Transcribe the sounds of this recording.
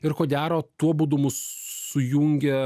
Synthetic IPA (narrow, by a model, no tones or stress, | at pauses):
ɪɾkoːɡʲæːɾoːt̪uɔbuːd̪ʊmʊssʊjuŋʲɡʲɛ